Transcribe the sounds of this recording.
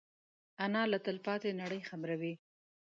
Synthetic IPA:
anɑlat̪əlpɑt̪enaɽəjxabɾawi

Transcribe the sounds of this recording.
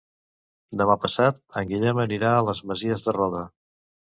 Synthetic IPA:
d̪əmapəsat̪̚əŋɡiʎɛməniɾaələzməziəzðərɔðə

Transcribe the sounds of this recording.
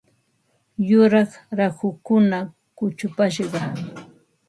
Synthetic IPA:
jʊɾɑχɾahʊkʊna | kʊt͡ʃʊpaʃ̬ɢɑ

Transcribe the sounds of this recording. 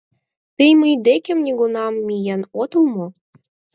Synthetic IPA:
t̪əjməjd̪ekʲĕmnʲeɡonɑmːijænot̪ə̆lˠmo

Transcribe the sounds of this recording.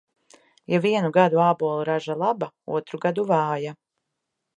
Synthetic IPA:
javiɛnuɡad̪uaːbɔːlˠuɾaʒalˠaba | ṵɔt̪ɾuɡad̪uvaːja

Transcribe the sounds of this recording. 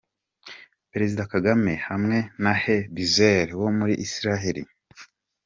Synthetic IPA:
peɾe̞zidakaɡame̞hamŋe̞nahebizeɾwomuɾiʔːsiɾaɦeɾḭ

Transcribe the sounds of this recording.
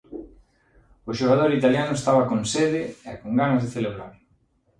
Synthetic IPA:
ʊʃoɣað̞oɾit̪aljanʊest̪aβakonseðeɛkoŋɡanɐzðeθeleβɾaɾ

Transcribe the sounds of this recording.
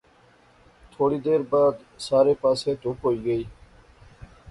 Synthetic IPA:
t̪ʰoːɽiːd̪eːɾbaːd̪ | saːɾeːpaːseːt̪uːpɦoːiːɡəiː

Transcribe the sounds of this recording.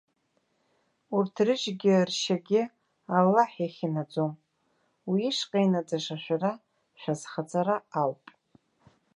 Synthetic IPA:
urtʰrɨʒɡʲɪrʃaɡʲɪ | alːaħjaχʲinad͡zom | wiːʂqʼajnad͡zaʂaʃʷᶣara | ʃᶣazχad͡zʰʼaɾaawpʼ

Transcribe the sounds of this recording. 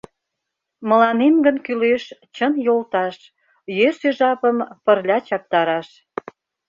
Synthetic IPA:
mə̆lɑnemɡənkyleʃt͡ɕənjolt̪ɑʃ | jøseʒɑpəmpərlʲɑt͡ɕɑp̚t̪ɑɾɑʃ

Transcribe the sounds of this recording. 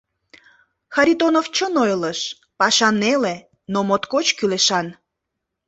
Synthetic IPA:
xɑɾʲit̪onoft͡ɕənojləʃ | pɑʃɑnele | nomot̪kot͡ɕkyleʃɑn

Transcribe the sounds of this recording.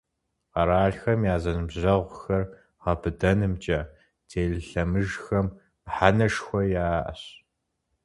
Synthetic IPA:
qɐɾaːɮxɐmjaːzɐnɨmʑɐʁʷxɐr | ʁɐbɨdɐnɨmt͡ʃʼɐ | tʰeːɮɨɬɐmɨʒxɐm | ħanɐʂxʷɔjaːʔɐ̰ɕ

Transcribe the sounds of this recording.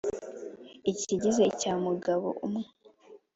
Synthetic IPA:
iciɟize̞caːmuɡaβo̰ʔumŋe

